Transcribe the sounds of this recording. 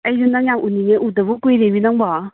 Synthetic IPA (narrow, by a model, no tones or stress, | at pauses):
ɐjɾunaŋjamʔuniŋeʔudabukujɾeminaŋba